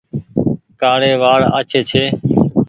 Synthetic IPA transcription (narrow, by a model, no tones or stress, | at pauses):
kaːɽeːʋaːɽə̰t͡ʃʰeːt͡ʃʰeː